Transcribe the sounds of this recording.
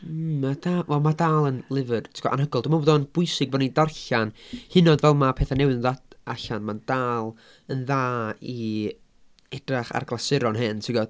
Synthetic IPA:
mad̥aːvɛlˠmadaːlˠənlˠɪvɨrtʰi̥ɡɔ̰ʔa̰nɦəɡɔlˠdəmanvoːdɔnb̥ʊɨsɪɡ̚bɔnidarɬanhɪnɔdvɛlˠmapʰeːθanɛwɪðaɬanmand̥aːlˠ | ənðaːi | ɛdraχa̰rɡlˠasɪɾɔnɦɪntʰiɡɔ

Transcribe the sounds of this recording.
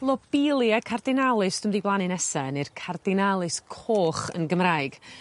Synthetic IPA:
lˠɔb̥ɪlˠjakʰardɪnalˠɨsd̥ʊmdiblˠanɨnɛsɛnɨrkʰardɪnalˠɨskʰoːχə̰nɡəmraɨɡ̥

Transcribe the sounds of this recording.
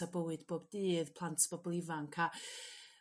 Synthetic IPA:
abəwɨd̥boːbdiːðpʰlˠantʰb̥ɔblˠɪvaŋkʰa

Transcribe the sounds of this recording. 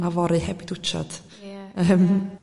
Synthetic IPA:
navɔɾɨhɛbɪdʊt͡ʃa̰d̪̥ | əm

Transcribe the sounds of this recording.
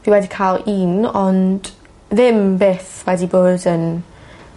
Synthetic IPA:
viwɛdikʰaːlˠiːnɔnd̥ | ðɪmbeːθwɛdiboːdən

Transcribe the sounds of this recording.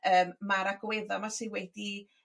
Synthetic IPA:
əːmmaɾaɡwɛðɔmasɪwɛdi

